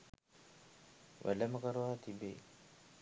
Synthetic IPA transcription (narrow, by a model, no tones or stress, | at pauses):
ʋʔæ̰ləməkəɾəʋaːt̪ibḛː